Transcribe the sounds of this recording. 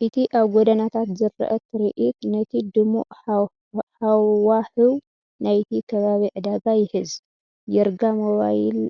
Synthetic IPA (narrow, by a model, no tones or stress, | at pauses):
ʔɨt̪ʰiʔaβɡod̪ɐnat̪ʰat̪zɨɾ̰ːʔɐt̪ʰɨɾiʔit̪nɐt̪ʰid̪ɨmṵʔ | hawwaħɨw | najt̪ʰikʰɐβaβiʕɨd̪aɡajɪħɨz | jɛɾɡamoβa̰jil